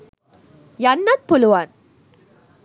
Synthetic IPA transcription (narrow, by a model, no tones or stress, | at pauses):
jɐnːat̪̚pʊlʊʋaːn